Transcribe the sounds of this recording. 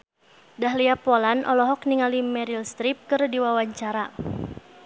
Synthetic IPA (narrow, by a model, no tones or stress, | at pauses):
daɦliapɔlanʔɔ̰lɔɦɔk̚niŋalimɛɾilst̪ɾip̚kɨrdiwawaɲt͡ʃaɾa